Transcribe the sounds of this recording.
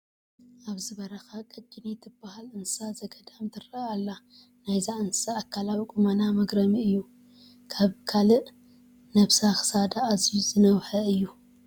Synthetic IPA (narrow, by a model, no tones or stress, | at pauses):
ʔaβzɨβɐɾɐxakʼɐt͡ʃʼːinit̪ʰɨbːahalɨnssazɐɡɐd̪amt̪ʰɨrɐalːa | najzaʔɨnssaːkʰːalawkʼumanamɐɡɾɐmiɨjːu | kʰaβkʰalɨʔ | nɐβsaxɨ̥sad̪aːzizɨnɐwħɐɨjːu